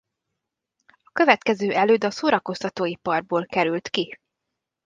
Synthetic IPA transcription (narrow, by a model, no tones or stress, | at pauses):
ɒkø̞vɛt̪kɛzøːʔɛløːd̪ɒsoːɾɒko̞st̪ɒt̪oːjipɒrboːlkɛɾylt̪ki